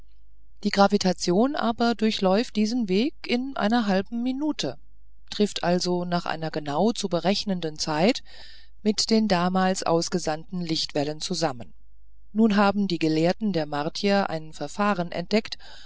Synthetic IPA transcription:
d̥iːɡʁavitʰat͡sjoːnʔa̰ːbɐdʊɐçlɔʏft̚d̥iːzənveːkɪnʔa̰ɪnɐɦalbm̩minuːtʰə | tʁ̥ɪftʔalzonaːχʔa̰ɪnɐɡənaʊt͡subəʁɛçnəndənt͡saɪt | mɪtd̥eːndaːmaːlsʔa̰ʊsɡ̥əzantn̩lɪçtv̥ɛlənt͡suzamən | nuːnɦaːbm̩diːɡəleːɐtn̩deːɐmaɐtʰjɐʔa̰ɪnfɛɐfaːʁənʔɛ̰nt̚d̥ɛkt

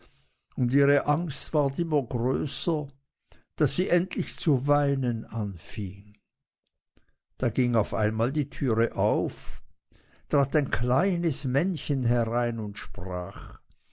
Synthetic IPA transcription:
ʊndiːʁəʔaŋstv̥aɐt̬ɪmɐɡʁøːsɐ | d̥asz̥iːʔɛntlɪçt͡suvaɪnənʔanfɪŋ | d̥aːɡɪŋaʊfa̰ɪnmaːldiːtʰyːʁəʔaʊf | tʁ̥aːtaɪnkʰlaɪnəsmɛnçənɦɛʁaɪnʊntʃpʁ̥a̰ːχ

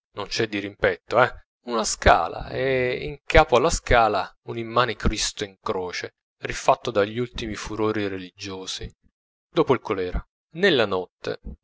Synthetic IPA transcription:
nont͡ʃɛd̪ːiɾimpɛt̪ːoɛ | unaska̰ːla̰ɛḭŋkʰaːpoalːaskaːla | unimːaːnikɾist̪oiŋkɾoːt͡ʃe | rifat̪ːod̪aʎːult̪imifuɾoːɾirelid͡ʒːoːsi | d̪oːpoilkolɛːɾa | nelːanɔt̪ːḛ

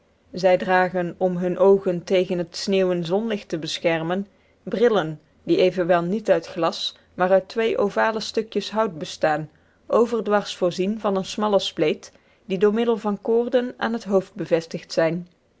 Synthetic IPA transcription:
zɛjdraːχənɔmɦɵnʔowχəntejχənɦətsneːwənzɔnlɪxtəbəsxɛɹmən | brɪlən | diejvənʋɛlˠnitœɥtχlɑs | maːrœɥtʋejʔowvaːləstɵkjəsɦɑwt̚bəstaːn | ʔowvərdʋɑɹsfʊːɹzinvɑnənsmɑlˠəsplejt | didʊːɹmɪdəlˠvɑnkʊːrdəna̰ːnɦətɦowfd̚bəvɛstɪχtsɛjn

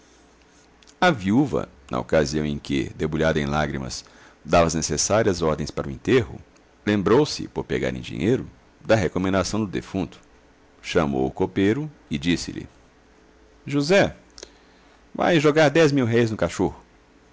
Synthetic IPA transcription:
ɐviuvɐ̰ | nʔɐ̰o̰kaziɐ̃w̃ẽj̃kɪ̰d̪ebuʎad̪ɐẽj̃laɡɾimɐ̰s | d̪avɐznesesaɾiɐzɔɾd̪ẽj̃spaɾɐʊĩnt̪eɦʊ̰ | lẽmbɾowsɪ̰poɾpeɡa̰ɾḛ̃j̃d͡ʒḭ̃ɲejɾʊ | d̪ɐɦekomẽnd̪asɐ̃w̃d̪ʊd̪efũnt̪ʊ̥ | ʃɐmo̰wʊkopejɾʊɪd͡ʒisɪ̰lɪ̰ | ʒuzɛ | va̰jʒoɡaɾd̪ɛzmiwɦejznʊkaʃohʊ

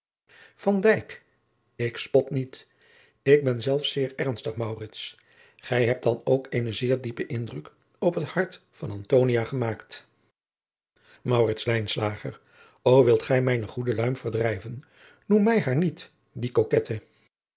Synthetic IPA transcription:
fɑndɛjk | ɪkspɔtnit | ɪɡ̚bɛnzɛlˠfsɪːɹɛɹnstəχmɑwrɪts | χɛjɦɛp̚d̥ɑnowkejnəzɪːɹdipəʔɪndrək | ɔpɦəthɑɹt | fɑnɑntoːwniaːχəmaːkt | mɑwrɪtslɛjnslaːχə̰r | owʋɪlˠtχɛjmɛjnəχudəlœɥmvəɹdrɛjvən | numːɛjɦaːɹnit | dikokɛtʰə

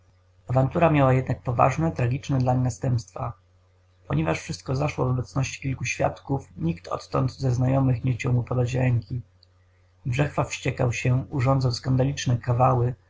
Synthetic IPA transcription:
avant̪uɾamʲjawajɛd̪nak̚pɔva̰ʐnɛt̪ɾaɡʲit͡ʂnɛd̪laɲnast̪ɛmpst̪fa | pɔ̰ɲɛvaʂfʂɘst̪̚kɔzaʂwɔvɔbɛt̪snɔɕt͡ɕi̥kʲilkuɕfʲja̰t̪kufɲikt̪ʰɔ̰t̪ːɔ̰nt̪zɛznajɔmɘxɲɛxt͡ɕawmupɔd̪at͡ɕɾɛŋkʲi | bʐɛxfafɕt͡ɕɛkawɕɛuʐɔnd̪zɔnskand̪alʲit͡ʂnɛkavawɘ

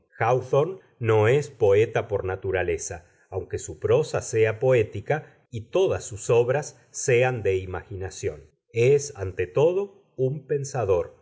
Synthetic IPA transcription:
xawθonː | o̞espo̞e̞t̪apo̞ɾnat̪uɾale̞saː | wŋke̞supɾo̞sase̞apo̞e̞t̪ika | it̪o̞ðasːuso̞βɾasː | e̞and̪e̞imaxinasjo̞̰n | esant̪et̪o̞ðo̞ | umpe̞nsaðo̞ɾ

